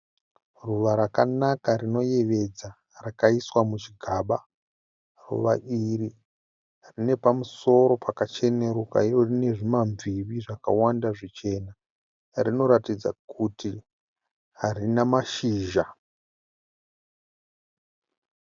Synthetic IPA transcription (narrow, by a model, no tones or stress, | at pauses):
ruʋaɾakanakarino̞je̞ʋe̞d͡za | rakaiswamut͡ʃiɡʱaːɓa | rṵʋaʔiri | rine̞pamuso̞ɾo̞pʰakat͡ʃe̞ne̞ɾoka̰irorine̞ʐimaɱviʋiʐaka̰wandaʐit͡ʃe̞na | rino̞ɾatid͡za̰kʰuti | ɦarinamaʃiːʒa